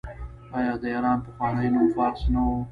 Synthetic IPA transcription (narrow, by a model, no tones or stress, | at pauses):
ɑjɑːd̪əeɾɑːnpəxwɑːnəjnofɑːɾsnawo